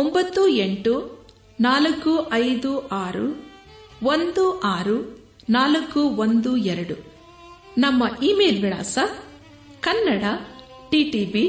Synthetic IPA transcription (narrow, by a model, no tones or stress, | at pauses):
ombɐt̪ːueɳʈu | naːlɐkːuʔɐjd̪uʔaːɾu | ʋond̪uʔaːɾu | naːlɐkːuʋond̪uɛɾɐɽu | nɐmːɐʔiːmeːlʋiɭa̰ːsɐ | kɐnːɐɽɐ | ʈiːʈiːbi